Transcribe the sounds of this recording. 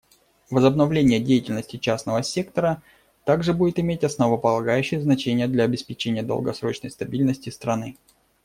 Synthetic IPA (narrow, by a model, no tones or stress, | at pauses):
vəzəbnɐvlʲenʲɪjədʲejɪtʲɪlʲnəsʲtʲɪt͡ɕasnəvəsʲe̞kt̪əɾə | t̪aɡʐɨbudʲɪt̪ɪmʲetʲɐsnəvəpəlˠɐɡajʉɕːɪjəznɐt͡ɕenʲɪjəd̪lʲɐɐːbʲɪspʲɪt͡ɕenʲɪjəd̪ə̰lˠɡɐ̰sɾo̞t͡ɕnə̰jst̪ɐbʲilʲnəsʲtʲɪst̪ɾɐnɨ